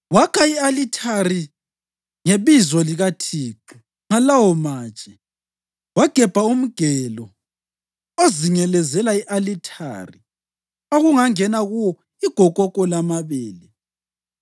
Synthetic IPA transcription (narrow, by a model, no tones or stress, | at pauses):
wakʰaialitʰari | ŋeβizɔliɣatʰiːǃu | ŋalawɔmḁːt͡ʃʼɛ | waɡ̥ʱɛb̥ʱaum̩ɡ̥ʱɛːlɔ | oziŋɛlɛzɛlaiʔalitʰa̰ːri | oɣuŋaŋɛnaɣuwɔ | iɡ̥ʱɔkʼɔkʼɔlamaβɛːlɛ